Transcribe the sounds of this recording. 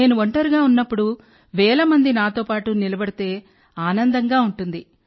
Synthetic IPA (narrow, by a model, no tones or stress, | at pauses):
e̞ːnuʋoɳʈɐɾuɡaːunːɐpːuɽu | ʋɛːlɐmɐnd̪inaːt̪o̞ːpaːʈunilɐbɐɽit̪e̞ː | aːnɐnd̪ɐŋɡaːuɳʈund̪i